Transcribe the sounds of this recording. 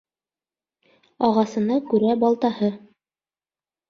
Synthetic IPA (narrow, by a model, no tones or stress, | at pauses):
ɑʁɑsɤ̆nɑkʉɾæbɑlˠt̪ɑhɤ